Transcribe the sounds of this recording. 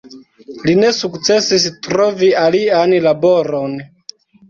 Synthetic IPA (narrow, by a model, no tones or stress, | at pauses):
linɛsukt͡sɛsisitɾɔvialianilabɔɾɔn